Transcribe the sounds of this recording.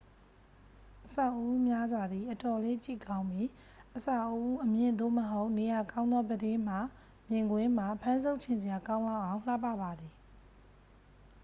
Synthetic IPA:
ʔəsa˨ʔəʔu˦mja˦zwa˨d̪ði˨ʔətɔ˨le˦t͡ɕḭ˦˨kã˦ʊ̃mbji˦˨ | ʔəsa˨ʔəʔu˦ʔəmjɪ̃˨nd̪o̰˦˨məɦo˦ʊʔne˨ja˨kã˦ʊ̃nd̪ðɔ˦bədɪ̃˦m̥a˨ | mjɪ̃˨ŋɡwɪ̃˦m̥a˨pʰã˦nzo˦ʊʔt͡ɕʰɪ̃˨nzɪ˨ja˨kã˦ʊ̃lã˦˨ʔã˨ʊ̃l̥a˦˨pä̰˦˨ba˨d̪ði˨

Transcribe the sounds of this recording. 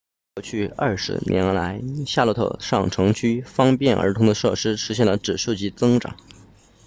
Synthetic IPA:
kkwɔ˥˧t͡ɕʰy˥˧ɐ̰˞˥˩ʂɻ̩̰˧˥nʔɛ˧˥n˧˥la˧˥ɪɕja˥˧˩lɔ˧˥t̪ʰɤ̰˥˧ʂɑ̰˥˩ŋʈ͡ʂʰɤ˧˥ŋt͡ɕʰy˥fɑ˥ŋpjɛ˥˩nʔə̰˞˧˥t̪ʰʊ˧˥ŋd̪ə˧ʂɤ̰˥˩ʂɻ̩˥ʂɻ̩˧˥ɕjɛ˥˩nlə˩ʈ͡ʂɻ̩˨˩ʂu˥˩t͡ɕi˥˩t͡sɤ˥ŋʈ͡ʂɑ̰˨˩˦ŋ

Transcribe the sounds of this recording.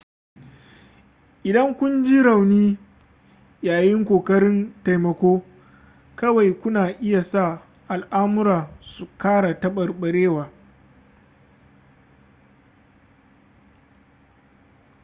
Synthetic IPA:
ʔɪ˨dɐ˦ŋkʷʊ˦nd͡ʒi˦ɽa˨wniː˦ | jaː˨jɪ˦ŋkʷoː˨kɐ˦ɽɪ˦nta˨jmɐ˨kʷoː˦ | kɐ˦wa˨jkʷʊ˦naː˨ʔɪ˦ja˨sa˦˨ | ʔa˨lʔaː˦mʊ˦ɾaː˨su˨kaː˦ɽa˨tɐ˦ɓɐ˨rɓɐ˨ɽeː˦waː˨

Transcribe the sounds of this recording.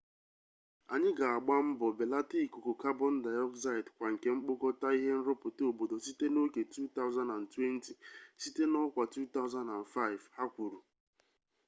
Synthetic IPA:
a˨ɲɪ˦ɡa˨a˨ɡ͡ba˦m̩˦bɔ˨be˨la˦ti˦˨ku˨ko˨ka˦bɔ˦n̩˦da˨jɔ˦kza˦ɪ˨dkʷa˨ŋ̩˨ke˨ŋ͡m̩˦k͡po˦kɔ˦ta˦i˦ɦe˦n̩˦ɾo˦pʊ˨to˨bo˨do˨si˦te˦no˦ke˨tu˦t̪a˦ʊ˦za˦na˨n̩˨twe˦n̩˦ti˨si˦te˦nɔ˦kʷa˨tu˦ta˦ʊ˦za˦nda˨n˨fa˦ɪ˨vha˦kʷu˨ɾu˨

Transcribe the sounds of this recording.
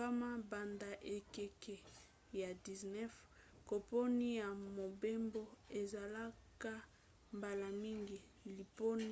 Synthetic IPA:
a˦ma˦ba˨nda˨ʔe˨kɛ˨kɛ˨ | ja˨di˨znɛ˦f | ko˨po˦ni˦ja˨mo˨be˦mbo˦e˨za˨la˦ka˦ | mba˨la˨mi˦ŋɡi˦˨ | li˨po˦n˦

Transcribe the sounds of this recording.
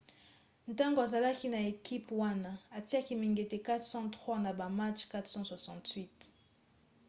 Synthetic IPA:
n˨ta˦ŋɡo˨a˨za˨la˦ki˦na˨e˨ki˦pwa˦na˦a˨ti˦a˦ki˦mi˨ŋɡe˨te˨ka˦tsɑ̃˦tχwa˦na˨ba˨ma˦t͡ʃka˦tsɔ̃˦swa˨sɑ̃˨twi˦t

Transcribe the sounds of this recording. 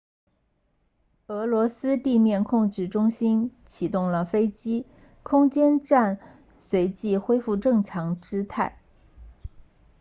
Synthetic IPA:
ɤ˧˥lwɔ˧˥sɹ̩˥t̪i˥˧mjɛ˥˧nkʰʊ˥˧ŋʈ͡ʂɻ̩˥˩ʈ͡ʂʊ˥ŋɕi˥nt͡ɕʰi˨˩t̪ʊ˥˩ŋlə˩fe˥ɪt͡ɕi˥ | kʰʊ˥ŋt͡ɕjɛ˥nʈ͡ʂa˥˩n | swe˧˥ɪt͡ɕi˥˩xwe˥ɪfu˥˧ʈ͡ʂɤ˥˩ŋʈ͡ʂʰɑ˧˥ŋʈ͡ʂɻ̩˥t̪ʰa˥˩ɪ

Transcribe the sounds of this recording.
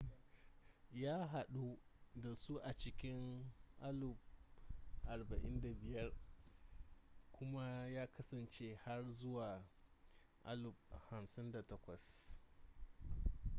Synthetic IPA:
jaː˦ɦa˨ɗu˦da˨su˦ʔa˨t͡ʃɪ˦kʲɪ˦ŋʔa˦lʊ˨p̚ | ʔa˨rba˨ʔɪ̰˦nda˨bɪ˨jɐ˦r | kʷʊ˦ma˦jaː˦kɐ˦sɐ˨nt͡ʃe˦ha˦rzʊ˦waː˨ | ʔa̰˦lʊ˨p̚ha˨msɪ˦nda˨tɐ˦kʷɐ˨s

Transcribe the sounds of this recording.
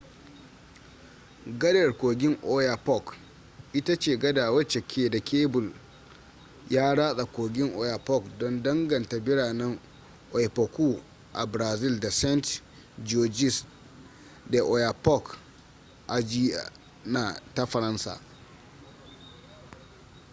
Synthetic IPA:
ɡɐ˦dɐ˨rkʷoː˨ɡʲɪ˦ŋʔo˦ja˨pɔ˦˨k | ʔɪ˦ta˦t͡ʃeː˦˨ɡɐ˦daː˨wɐ˦t͡ʃe˨kʲʰeː˦da˨kʲeː˦bʊ˨l | jaː˦ɽaː˦sʼa˨kʷoː˨ɡʲɪ˦ŋʔo˨ja˨pɔ˦˨kdɔ˦ndɐ˦ŋɡɐ˨nta˨bɪ˦ɽaː˨nɛ˦ŋ | ʔɔ˨jɸɐ˨kʷuː˦ | ʔa̰˨bɾaː˨zɪ˦lda˨sɛ˦nt | d͡ʒoː˨d͡ʒɪ˦s | da˨ʔo˨ja˨pɔ˦˨k | ʔa˨d͡ʒi˦a̰˨ | na˨ta˦ɸɐ˨ɾɐ˦nsa̰ː˨

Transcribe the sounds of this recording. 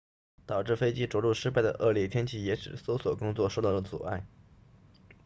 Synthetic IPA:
t̪ɑ˨˩ʊʈ͡ʂɻ̩˥˩fe˥ɪt͡ɕi˥ʈ͡ʂwɔ˧˥lu˥˩ʂɻ̩˥pa˥˩ɪd̪ə̰˩ʔɤ˥˧ljɛ˥˩t̪ʰjɛ˥nt͡ɕʰi˥˩jɛ˧˥ʂɻ̩˨˩so˥ʊswɔ˨˩kʊ˥ŋt͡swɔ˥˧ʂo˥˧ʊt̪ɑ˥˩d̪ə˩t͡sṵ˨˩a̰˥˩ɪ

